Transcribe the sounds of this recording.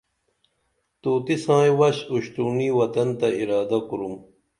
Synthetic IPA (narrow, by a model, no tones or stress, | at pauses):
t̪uːt̪isãːjwɐɕuɕt̪uːniːwɐt̪ɐnt̪ɐiɾaːd̪ɐkuɾum